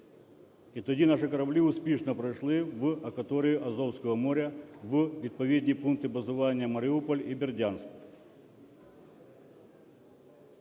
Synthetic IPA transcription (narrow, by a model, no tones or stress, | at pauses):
ɪt̪odʲinaʂɨkɐɾɐblʲiʊspʲeʂnəpɾɐʂlˠivɐkɐt̪oɾʲɪjʊʔɐzowskəʋəmoɾʲɐvvʲɪt̪̚pɐvʲed̪ʲnʲijpunk̚t̪ɨbɐzʊvanʲɪjəmɐɾʲɪupəlʲibʲɪrdʲansk